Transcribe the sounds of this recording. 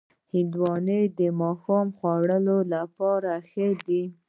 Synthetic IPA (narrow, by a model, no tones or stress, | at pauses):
hɪnd̪wɑnəd̪əmɑxɑmxwaɽəlolapɑɾaxəd̪i